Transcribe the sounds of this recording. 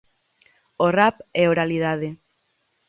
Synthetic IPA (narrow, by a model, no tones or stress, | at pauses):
orapɛoɾaliðaðe